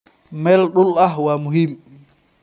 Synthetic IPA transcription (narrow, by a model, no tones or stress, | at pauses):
mɛlɗulahwamuɦim